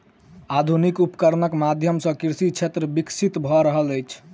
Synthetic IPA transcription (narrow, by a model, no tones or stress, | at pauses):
ad̪ʱunikupkəɾnəkmad̪ʱjəmsə̃kiɾsit͡ʃʰet̪ɾəbiksit̪bʱɔɾəɦələjt͡ʃʰ